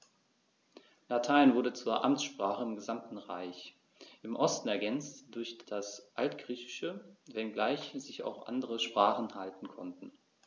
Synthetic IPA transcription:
latʰaɪnvʊɐdət͡suːɐʔamt͡sʃpʁ̥aːχəɪmɡəzamtn̩ʁa̰ɪç | ʔɪmʔɔstn̩ɛɐɡɛnt͡std̥ʊɐçd̥asʔaltɡ̥ʁiːçɪ̥ʃəvɛnɡlaɪçz̥ɪça̰ʊxʔa̰ndəʁəʃpʁ̥aːχn̩haltn̩kʰɔ̰ntn̩

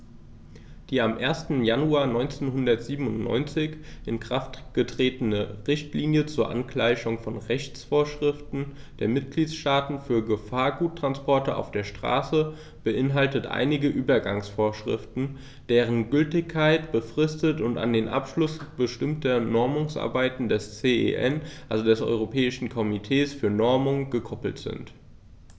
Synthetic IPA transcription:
d̥iːamʔeːɐstn̩januaːɐnɔʏnt͡seːnɦʊndɐtz̥iːbm̩ʊntnɔ̰ʏnt͡sɪçʔɪnkʁ̥aftɡ̥ətʁ̥eːtənəʁɪçtliːnjət͡suːɐʔa̰nkl̥aɪçʊŋfɔnʁɛçt͡sfoːɐʃʁ̥ɪftn̩ | d̥eːɐmɪt̚ɡ̥liːtsʃtaːtn̩fyːɐɡəfaːɐɡuːtːʁ̥anspɔɐtəʔa̰ʊfd̥eːɐʃtʁ̥a̰ːsə | b̥əʔɪnɦaltətʔa̰ɪnɪɡəʔyːbɐɡaŋsfoːɐʃʁ̥ɪ̰ftn̩ | d̥eːʁ̞ənɡʏltɪçkʰːaɪtb̥əfʁ̥ɪstətʊnta̰ndeːnʔa̰pʃlʊsb̥əʃtɪmtɐnɔɐmʊŋsʔa̰ɐbaɪtn̩dɛst͡seːḛʔɛnʔalzodɛsʔɔ̰ʏʁ̞opʰɛːɪʃn̩kʰɔmitʰeːsfyːɐnɔɐmʊŋɡ̥əkʰɔpl̩tz̥ɪ̰nt

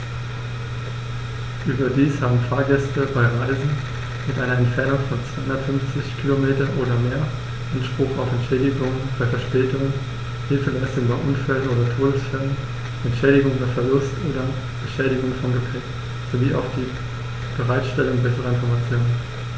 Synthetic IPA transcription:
ʔyːbɐdiːshaːbm̩faːɐɡɛstəbaɪʁaɪzn̩ | mɪtʔaɪnɐɛntfɛɐnʊŋfɔnt͡sv̥aɪhʊndɐtfʏnft͡sɪçkʰilomeːtɐʔoːɾɐmeːɐ | ʔanʃpʁ̥ʊχaʊfɛntʃɛːdɪɡʊŋəbaɪfɛɐʃpɛːtʊŋən | hɪlfəlɛːsɪŋ̩baɪʔʊnfɛlənʔoːdɐtʰoːlsfɪlən | ʔɛntʃɛːɾɪɡʊŋʔoːdɐfɛɐlʊstʔoːdɐ | bɛʃɛːɾɪɡʊŋfɔnɡəpʰɛk | z̥oviːʔa̰ʊfd̥iː | b̥əʁaɪtʃtɛlʊŋbɛsəʁəɪnfɔɐmat͡sjoːnən

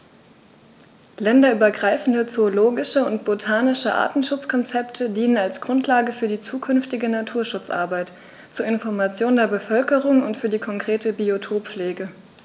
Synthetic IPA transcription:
lɛndɐyːbɐɡʁaɪfn̩dət͡soːloːɡɪʃəʊntb̥otʰaːnɪʃəʔa̰ːtn̩ʃʊt͡skʰɔnt͡sɛptʰədiːnənalsɡ̥ʁʊntlaːɡəfyːɐdiːt͡suːkʰʏnftɪɡənatʰuːɐʃʊt͡sʔa̰ɐbaɪt | t͡suːɐɪnfɔɐmat͡sjoːndeːɐbəfœlkəʁʊŋʊntfyːɐdiːkʰɔŋkʁ̥eːtəbiotʰoːpp͡fleːɡə

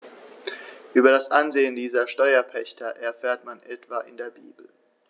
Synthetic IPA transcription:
ʔyːbɐɾasʔanzeːəndiːzɐʃtɔʏɐpʰɛçtʰɐʔɛɐfɛːɐtmanʔɛtv̥aːʔɪ̰ndeːɐbḭːbl̩

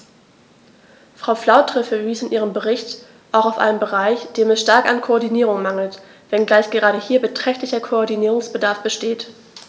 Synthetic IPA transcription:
fʁ̥aʊflaʊtʁ̥ɪfəviːsɪnʔiːʁ̞əmbəʁɪçt | ʔaʊxaʊfʔa̰ɪnəmbəʁaɪçd̥eːmɛsʃtaɐka̰nkʰoɔɐdiniːʁʊŋmaŋl̩t | v̥ɛnɡlaɪçɡ̥əʁaːɾəhiːɐbətʁ̥ɛçtlɪçɐkʰoɔɐdiniːʁʊŋsb̥ədaɐfb̥əʃteːt

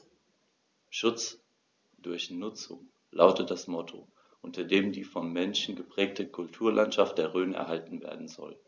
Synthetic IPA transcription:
ʃʊt͡s | d̥ʊɐçnʊt͡sʊ̰ŋ | laʊtət̚d̥asmɔtʰo̰ | ʔʊntɐdeːmdiːfɔnmɛnʃn̩ɡəpʁ̥ɛːk̚tʰəkʰʊltʰuːɐlʔantʃaft̚d̥eːɐʁøːnəɛ̰ɐɦaltn̩vḛːɐdn̩zɔ̰l

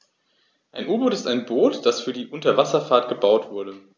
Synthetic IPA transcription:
ʔaɪnʔuːɐboːtɪstaɪnboːtd̥asfyːɐdiːʔʊntɐvasɐfaːɐtɡ̥əbaʊtv̥ʊɐɾə

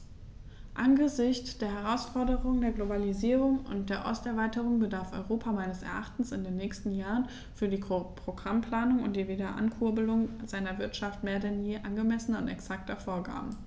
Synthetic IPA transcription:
ʔanɡəzɪçt͡sd̥eːɐɦɛʁ̞aʊsfɔɐdəʁʊŋəndeːɐɡlobaliziːʁ̞ʊŋʊ̰nt̚d̥eːɐʔɔ̰stɛɐvaɪtəʁ̞ʊŋbədaɐfɔ̰ʏʁoːpʰamaɪnəsɛ̰ɐʔaχtn̩sɪndeːnːɛːçstn̩jaːʁən | fyːɐdiːpʁ̥oɡʁampl̥aːnʊŋʊ̰nt̚d̥iːveːdɐʔa̰nkʰʊɐbəlʊŋzaɪnɐvɪɐtʃaftmeːɐdɛnjeːʔanɡəmɛsənɐʊntɛ̰ksak̚tɐfoːɐɡa̰ːbm̩

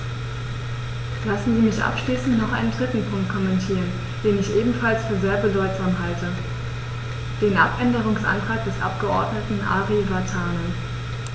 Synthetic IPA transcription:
lasn̩ziːmɪçʔa̰pʃliːsn̩tnɔχʔa̰ɪnəndʁɪtn̩pʰʊŋkt̚kʰɔmɛntʰiːʁən | d̥eːnɪçʔeːbm̩falsfyːɐzeːɐbədɔʏtz̥aːmɦaltə | d̥eːnʔa̰pʔɛndəʁ̞ʊŋsʔa̰ntʁ̥aːk̚d̥ɛsʔa̰p̚ɡ̥əʔɔɐdnətn̩ʔa̰ːʁivaɐtʰaːnə

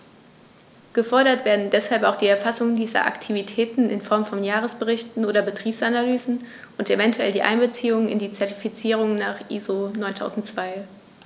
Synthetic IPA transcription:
ɡ̥əfɔɐɾɐtv̥eːɐdn̩dɛshalpaʊxd̥iːɛɐfasʊŋdiːzɐ̰ʔa̰ktʰivitʰɛːtn̩ɪ̰nfɔɐmfɔnjaːʁ̞əsb̥əʁɪçtn̩oːdɐbətʁ̥iːpsʔanalyːzn̩ | ʔʊntevɛntʰuɛ̰ldiːʔa̰ɪnbət͡siːʊŋɪ̰ndiːt͡sɛɐtifit͡siːʁ̞ʊŋnaːχʔiːzonɔʏntʰa̰ʊzn̩tt͡sv̥aɪ

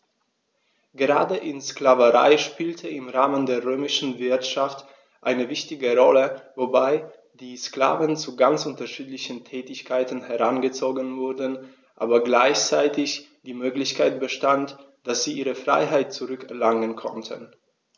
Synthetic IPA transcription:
ɡ̥əʁaːdəʔɪnsklavəʁa̰ɪʃpiːltʰəɪmʁaːməndeːɐʁøːmɪʃn̩vɪɐtʃaft | ʔaɪnəvɪçtɪɡəʁɔləvobaɪ | d̥iːskla̰ːvənt͡suɡant͡sʔʊntɐʃiːtlɪçən̩tʰɛːtɪçkʰaɪtn̩hɛʁanɡət͡soːɡənvʊɐdən̩ | ʔaːbɐɡlaɪçt͡saɪtɪç | d̥iːmøːklɪçkʰaɪt̚b̥əʃtant | d̥asz̥iːʔiːʁəfʁ̥a̰ɪɦaɪt̚t͡suʁʏkɛɐlaŋənkʰɔ̰ntʰə̰n

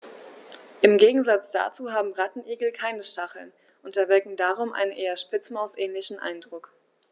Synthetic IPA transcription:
ʔɪmɡeːɡŋ̩zat͡sd̥a̰ːt͡suːɦaːbm̩ʁatn̩ʔiːɡl̩kʰaɪnəʃtaχl̩n | ʔʊntɐvɪɐkŋ̩daːʁ̞ʊmʔa̰ɪnənʔeːɐʃpɪt͡smaʊsʔɛːnlɪçn̩ʔa̰ɪndʁʊk

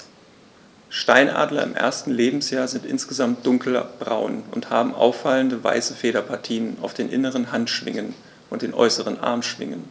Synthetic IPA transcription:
ʃtaɪnʔa̰ːdlɐɪ̰mʔḛɐstn̩leːbm̩sjaːɐzɪntʔɪnsɡ̥əzamt̚d̥ʊŋkʰlɐ̰b̥ʁaʊnʊnthaːbm̩ʔa̰ʊfaləndəva̰ɪsəfeːɾɐpʰaɐtʰiːnənaʊfd̥eːnʔɪ̰nəʁ̞ənɦantʃv̥ɪ̰ŋən | ʔʊnt̚d̥eːnʔɔ̰ʏsəʁənʔa̰ɐmʃv̥ɪ̰ŋən

